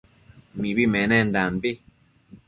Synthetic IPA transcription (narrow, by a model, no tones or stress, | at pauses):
mibimɛnɛndambe